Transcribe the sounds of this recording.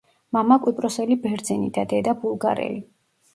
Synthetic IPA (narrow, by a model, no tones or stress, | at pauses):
mamakʼwipʼɾɔsɛlibɛɾd̪zɛnḭd̪ad̪ɛd̪abulˠɡa̰ɾɛ̰li